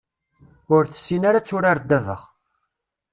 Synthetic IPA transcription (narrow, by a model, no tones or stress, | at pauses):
ʊɾθə̥sːinaɾat͡sːʊɾaɾd̪ːævə̰ʁ